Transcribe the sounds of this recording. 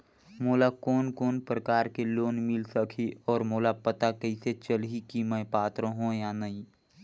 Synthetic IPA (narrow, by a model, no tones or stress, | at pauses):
moːlakɔːnkoːnpɾəkaːɾkeloːnmɪlsəkʰiʔɔːɾmoːlapət̪akəɪset͡ʃəlɦikimə̃paːt̪ɾə̃ɦõjanəĩ